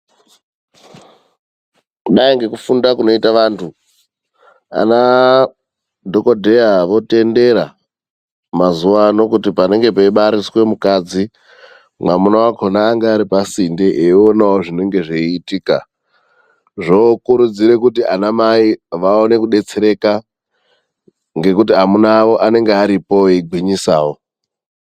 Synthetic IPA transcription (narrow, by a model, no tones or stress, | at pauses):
ɗaiŋɡe̞kufundakuno̞itaʋaːntʰu | a̰na | dʱo̞ko̞dʱe̞jaʋo̞te̞nde̞ɾa̰ | mazuʋano̞kutipane̞ŋɡe̞peiɓaɾiswe̞mukad͡zi | mwamunawakʰonaːŋɡeːɾipasindeʔeonaoʐine̞ŋɡe̞ʐeitiːka | ʐokuɾud͡ziɾe̞kutiʔanamaiʋaone̞kuɗe̞t͡seɾe̞ka | ŋɡe̞kut̬iɦamunaʋo̞ʔane̞ŋɡeaɾipo̞eiɡʱwiɲisaːwo